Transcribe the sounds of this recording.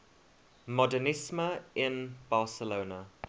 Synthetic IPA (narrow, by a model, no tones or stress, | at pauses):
mɔdənɪsməɪ̃nb̥ɑːˑsəloːnə